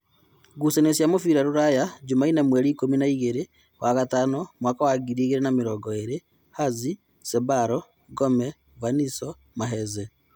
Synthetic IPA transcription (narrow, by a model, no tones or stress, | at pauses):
ɡusenesjamofiɾaɾuɾajad͡ʒumainamweɾiːkominaiɣeɾe | wʔaɣataːnomwaːkawaɡiɾiɣeɾenamiɾɔɡɔeɾe | hazi | sebaɾɔ | ɡomɛ | vaniso | maɦɛze